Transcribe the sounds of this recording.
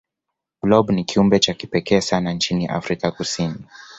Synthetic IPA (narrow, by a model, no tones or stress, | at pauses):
ɡ̥lɔbnikʰiumbɛt͡ʃakipɛkɛːsanant͡ʃiniʔa̰fɾikakusini